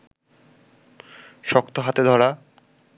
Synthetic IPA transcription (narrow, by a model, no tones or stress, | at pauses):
ʃɔkt̪oɦat̪ed̪ʱɔɾa